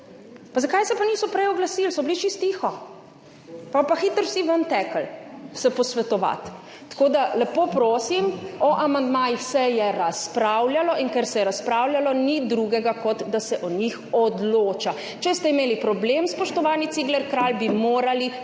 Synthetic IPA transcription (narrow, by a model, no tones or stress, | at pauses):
pazakajsɛpanisɔpɾɛjɔɡlasilsɔbilit͡ʃist̪ixɔ | papaxiːt̪əɾwsiʋənt̪ɛːkəlsɛpɔsʋɛt̪ɔʋa̰t̪ː | koːd̪alɛpoːpɾoːsimɔʔamand̪maːjixsɛjɛɾaspɾawljalɔʔiŋkɛɾsɛjɛɾaspɾaːwljalɔnid̪ɾuɡɛɡakɔd̪d̪asɛʔɔɲixɔd̪loːt͡ʃa | t͡ʃɛst̪ɛimeːlipɾɔblemspɔʃt̪ɔʋaːnit̪siːɡlɛɾkɾalbimoːɾali